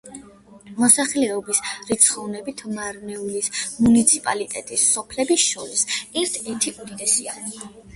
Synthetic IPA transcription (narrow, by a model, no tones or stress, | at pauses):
mɔsaχlɛɔbisɾit̪sʰχɔvnɛbit̪ʰmaɾnɛulismunit̪sʰipʼalit̪ʼɛt̪ʼisːɔpʰlɛbisʃɔɾisɛɾt̪ʰɛɾt̪ʰiud̪id̪ɛsia